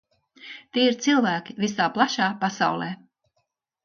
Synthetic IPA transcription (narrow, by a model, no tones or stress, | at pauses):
t̪iːiɾt̪silˠvæːkʲivisaːplˠaʃaːpasa̰wlˠɛː